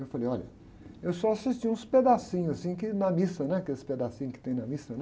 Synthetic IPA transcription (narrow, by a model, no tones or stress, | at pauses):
ewfalejɔʎɐ̰ | ewsɔasiʃt͡ʃiũsped̪asĩɲʊzɐsĩkɪnɐmisɐnɛkesɪ̥ped̪asĩɲʊkɪ̥t̪ẽj̃nɐmisɐn